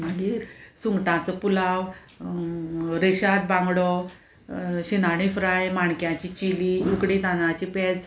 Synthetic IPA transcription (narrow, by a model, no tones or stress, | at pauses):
məɡiɾsuŋɡʈãt͡səpulaw | ɾeɕat̪̚bãŋɡɽɔ | ɕinaɽ̃ifɾajmaɳkjãt͡ɕit͡ɕiliukɽet̪anãt͡ɕipɛd͡z